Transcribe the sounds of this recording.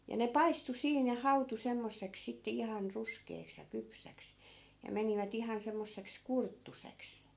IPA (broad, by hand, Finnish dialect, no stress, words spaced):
jɑ ne pɑistu siːn jɑ hɑutu semːosːeks sitːe ihɑn ruskeːks jɑ kypsæks jɑ meniʋæt ihɑn semːosːeks kurtːuseks